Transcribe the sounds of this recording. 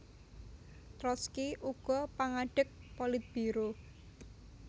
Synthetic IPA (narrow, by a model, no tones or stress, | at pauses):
t̪ɾɔskiʔuɡ̥ɔ̤paŋaɖ̥ək̚polɪt̪̚b̥iɾo